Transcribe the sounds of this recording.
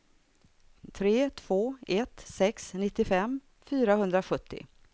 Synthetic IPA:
t̪ʰɾeːt̪ʰv̥oːɛt̪sɛksnɪt̪ːɪfɛmː | fyːɾaɦɵnd̪ɾaɧɵt̪ʰːɪ̰

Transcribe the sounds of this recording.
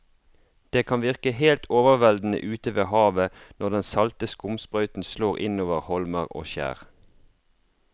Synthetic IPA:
d̪̥eːkʰɑnʋɪʁkəheːlt̪ʰoːʋəʁʋɛld̪n̩ə̰ʔʉːt̪əʋeːhɑːʋənɔʁd̪ɛnsɑlt̪əskʊmspʁœʉt̪n̩sloːʁɪnoːʋəʁhɔlməʁo̰ːʃæ̰ːʁ

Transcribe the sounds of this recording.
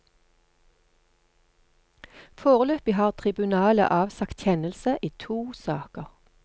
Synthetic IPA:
foːʁəløːpɪhɑːʁt̪ʰʁɪbʉnɑːlə̰ʔɑːʋsɑkt̪çɛnəlsəʔiːt̪ʰuːsɑ̰ːkəʁ

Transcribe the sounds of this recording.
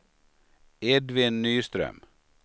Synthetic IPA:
ɛd̪ʋɪnnyːst̪ɾœ̰m

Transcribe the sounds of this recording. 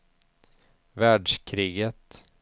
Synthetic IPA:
væːɖʂkʰɾiːɡət̪

